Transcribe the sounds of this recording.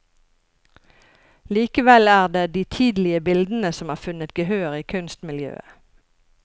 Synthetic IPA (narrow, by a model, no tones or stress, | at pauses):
liːkəʋɛlæːʁd̪eːd̪iːt̪ʰiːd̪lɪəbɪld̪n̩əsɔmɑːʁfʉnət̪ɡəhøːʁiːkʰʉnst̪mɪljø̰ːə̰